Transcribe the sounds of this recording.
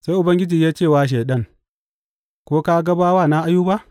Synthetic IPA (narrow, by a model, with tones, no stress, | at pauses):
sa˦jʔʊ˨bɐ˦ŋɡʲɪ˦d͡ʒiː˨jaː˦t͡ʃeː˦˨waː˦ʃ̬eː˨ɗɐ˦ŋ | kʷoː˦ka˦ɡɐ˦baː˦waː˦˨na˦ʔa˦juː˦ba˦ʔ